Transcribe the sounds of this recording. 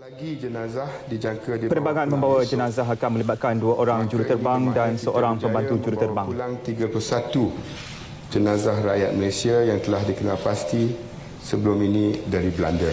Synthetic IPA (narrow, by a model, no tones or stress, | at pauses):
laɡid͡ʒənãzahdid͡ʒaŋkadipəɾəbaŋanmə̃mbawad͡ʒənazaɦakanmə̃libat̪̚kanduaʔoɾaŋd͡ʒuɾut̪ərbaŋdansəʔoɾaŋpəmbant̪ud͡ʒuɾut̪ərbaŋlaŋt̪iɡapusat̪u | d͡ʒənãzahɾajat̪̚məlesiajaŋt̪əlahdikənalpast̪i | səbəluminĩdaɾiblandə